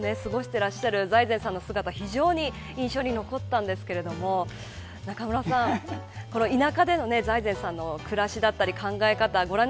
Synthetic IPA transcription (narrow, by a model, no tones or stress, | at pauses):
ne̞sɨɡo̞ɕi̥t̪e̞ɾaɕaɾɯ̟zaizeɰ̃sãnːo̞sɨɡat̪açiʑo̞ːɲ̟i | ĩɰ̃ɕo̞ːɲ̟ino̞ko̞t̪ːãnd̪e̞sɨ̥ke̞ɾe̞d̪o̞mo̞ | nakamɯ̟ɾasãŋ | ko̞noinakad̪e̞no̞ne̞zaizẽ̞ɰ̃sãnːo̞kɯ̟ɾaɕid̪at̪ːaɾʲikãŋɡae̞kat̪aɡo̞ɾãɲ